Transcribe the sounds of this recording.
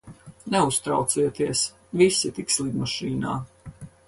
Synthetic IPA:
nɛust̪ɾa̰wt̪siːɛt̪iɛs | visit̪ikslˠiɡ̪maʃiːna̰ː

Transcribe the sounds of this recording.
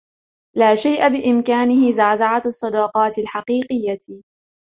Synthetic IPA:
laːʃajʔabɪʔɪmkaːnɪhɪzaʕzaʕasˤːɑd̪ɑːqɑːt̪ɪlħɑqiːqɨjːa

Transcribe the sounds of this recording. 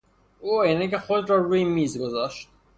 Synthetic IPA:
ujinicexod̪ɾɒːɾuːjimiːzɡozɒːʃt̪

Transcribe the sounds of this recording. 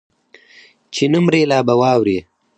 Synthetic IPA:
t͡ʃinumɾeːlaːbɐwɑːwɾi

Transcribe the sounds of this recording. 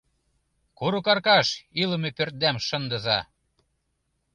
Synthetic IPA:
kuɾukɑrkɑʃilə̆mepørt̪̚d̪æmʃə̆nd̪ɤ̆zɑ

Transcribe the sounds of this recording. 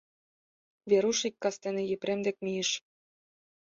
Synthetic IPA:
βeɾuʃikːɑst̪enĕjĕpɾemd̪ek̚mijə̆ʃ

